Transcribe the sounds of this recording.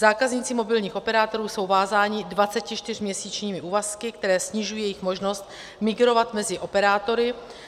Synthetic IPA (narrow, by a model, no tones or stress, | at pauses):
zaːkazɲiːt͡sɪmo̞bɪlɲiːxʔo̞pɛɾaːt̪o̞ɾuːso̞wvaːzaːɲɪdvat͡sɛcɪt͡ʃt̪ɪr̝mɲɛsiːt͡ʃɲiːmɪʔuːvaskɪkt̪ɛɾɛːsɲɪʒujiːjɛjɪxmo̞ʒno̞st̪̚ | mɪɡɾo̞vat̪mɛzɪʔo̞pɛɾaːt̪o̞ɾɪ